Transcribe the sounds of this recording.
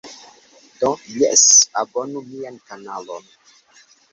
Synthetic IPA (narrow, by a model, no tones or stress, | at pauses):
dojɛ̰sabonumiankanalon